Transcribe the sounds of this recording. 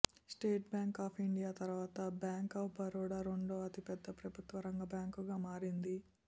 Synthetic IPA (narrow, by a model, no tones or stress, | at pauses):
sʈeːʈ̚bjaːŋkaːpʰiɳɖijaːt̪ɐɾuʋaːt̪ɐbjaːŋkɐpbɐɾɔːɽaːɾoɳɖoːɐt̪ipɛd̪ːɐpɾɐbʱut̪ʋɐɾɐŋɡɐbjaːŋkuɡaːmaːɾind̪i